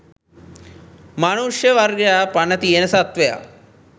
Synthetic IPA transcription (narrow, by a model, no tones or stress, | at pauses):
manuʂjɐʋɐɾɡapɐnɐt̪ienɐsɐt̪ʋɐja̰